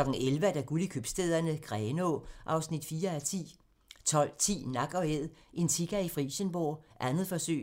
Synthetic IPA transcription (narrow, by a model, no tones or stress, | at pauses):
lɒ̽ɡ̥n̩elʋæd̥æɡ̥ulikʰøb̥sd̥eð̞̰ˠɐnəɡ̥ʁɛːnoʔɑ̈ʊsnid̥fiːɐæt͡sʰḭ | t͡sʰɒ̽l̰t͡sʰḭːnɑ̈ɡ̥ɒ̽eð̰ˠʔe̝nt͡sʰiɡ̥æifʁḭːɕənb̥o̰ːʔænð̩ˠfɒ̽sø̰ː